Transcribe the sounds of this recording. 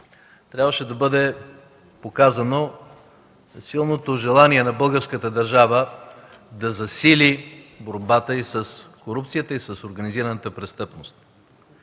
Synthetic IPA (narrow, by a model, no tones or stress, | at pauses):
t̪ɾʲabvəʃɛd̪ɐbɤd̪ɛ | pokazəno | silˠnot̪oʒɛlˠaniɛnɐbɤlˠɡəɾskət̪əd̪ɐɾʒavə | d̪ɐzɐsiliboɾbat̪əisəskoɾupt̪sijət̪əisəsoɾɡɐniziɾənət̪əpɾɛst̪ɤpnost̪̚